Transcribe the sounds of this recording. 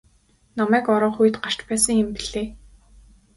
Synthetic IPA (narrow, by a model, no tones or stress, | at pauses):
namæːkɔɾɔ̆ːχuj̆t̪ɢar̥t͡ɕpæːsə̆ŋɪmpiɮeː